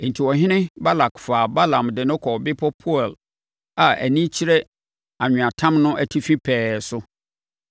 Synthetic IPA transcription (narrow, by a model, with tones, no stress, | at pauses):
n̩˨tʰi˨wɔ˨ɦɪ̃˦nɪ̃˦ba˦la˨kfaː˨ba˦lã˨mdɪ˨nʊ̃˦kʰɔ˨bɪ˦pʰɔ˦pʰu˦ɛ˨l | a˨æ̰˨nĩ˦t͡ɕʰi˦ɾɛ˦ | a˨ɲᶣʊ̃˨a˨tʰã˦mnʊ̃˦ʔæ˨tʰi˦fĩ˦pʰɛː˨sʊ˦